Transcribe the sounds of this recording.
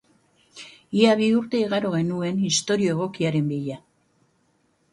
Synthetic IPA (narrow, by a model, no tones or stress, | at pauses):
iaβiuɾt̪e̞iɣaɾo̞ɣe̞nue̞nist̪o̞ɾio̞e̞ɣ̞o̞kiaɾe̞mbiʎa